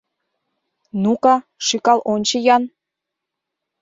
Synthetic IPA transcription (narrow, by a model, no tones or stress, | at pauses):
nukɑ | ʃykɑlʔonʲt͡ɕejɑn